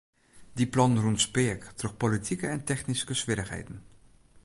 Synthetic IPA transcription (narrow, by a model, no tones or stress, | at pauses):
diplɑnənruntspɪktrɔk̚politʰikəɛntɛχniskəsʋɪɾəχɦḛjdən